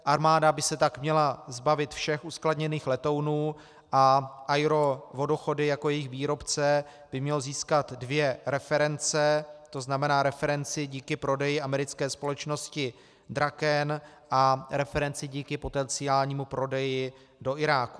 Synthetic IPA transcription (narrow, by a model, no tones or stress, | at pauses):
ʔaɾmaːdabɪsɛt̪akmɲɛlazbavɪt̪fʃɛxuskladɲɛniːxlɛt̪o̞wnuː | ʔaʔajɾo̞vo̞doxo̞dɪjako̞jɛjɪxviːɾo̞pt͡sɛ | b̥ɪmɲɛloziːskat̪dvjɛɾɛfɛɾɛnt͡sɛt̪o̞znamɛnaːɾɛfɛɾɛnt͡sɪɟiːkɪpɾo̞dɛjɪʔamɛɾɪt͡skɛːspo̞lɛt͡ʃno̞scɪ | d̪ɾakɛn | ʔaɾɛfɛɾɛnt͡sɪɟiːkɪpo̞t̪ɛnt͡sɪaːlɲiːmupɾo̞dɛjɪ | do̞ʔɪɾaːku̥